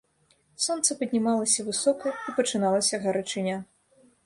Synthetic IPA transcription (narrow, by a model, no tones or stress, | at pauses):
sɔnt̪sɐpɐdʲnʲimalˠɐsʲɐvɨsɔkɐipɐt͡ʂɨnalˠɐsʲɐɣɐɾɐt͡ʂɨnʲa